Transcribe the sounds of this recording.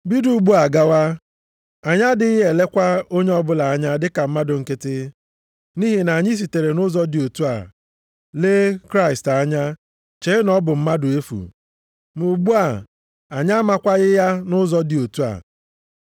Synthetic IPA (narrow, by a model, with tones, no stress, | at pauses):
bi˦du˨˦ɡ͡bu˦a˨ɡa˦wa˦ | a˨ɲa˦dɪ˦ɦe˨le˦kʷa˦o˦ɲe˦ɔ˦bʊ˦la˨a˦ɲa˦dɪ˦ka˨m̩˦ma˦dʊ˨ŋ̩˨ke˦tɪ˦ | ni˦ɦi˨na˨ɲɪ˦s̬i˨te˨ɾe˨nʊ˦zɔ˦dɪ˨o˨tu˦a̰˨ | leː˦kɾa˦ɪ˨sta˨˦ɲa˦ | t͡ʃe˨˦nɔ˦bʊ˨m̩˦ma˦dʊ˨e˦fṵ˨ | mu˨ɡ͡bu˦a˨ | a˨ɲa˦a˦ma˦kʷa˦ɣɪ˦ja˦nʊ˦zɔ˦dɪ˨o˨tu˦a̰˨